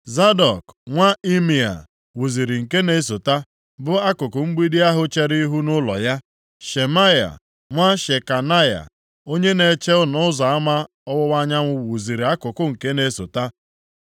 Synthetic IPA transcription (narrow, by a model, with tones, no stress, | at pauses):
za˦dɔ˨kŋʷa˦i˦mi˨a̰˨ | wu˨zi˨ɾi˨ŋ̩˨ke˦ne˦s̬o˨ta˦ | bʊ˦a˦kʊ˨kʊ˨ŋ͡m̩˦ɡ͡bi˦di˦a˦ɦʊ˦t͡ʃe˦ɾi˦i˦ɦu˦nʊ˦lɔ̰˨ja˦ | ʃe˨ma˦ja̰˨ | ŋʷa˦ʃe˨ka˨na˦ja̰˨ | o˦ɲe˦ne˨˦t͡ʃe˦ʊ˦nʊ˦ʊ˦zɔ˨a˦ma˦ | ɔ˦wʊ˦wa˦ɲa˦ŋʷʊ˦wwu˨zi˨ɾi˨a˦kʊ˨kʊ˦ŋ̩˨ke˦ne˦so̰˨ta˦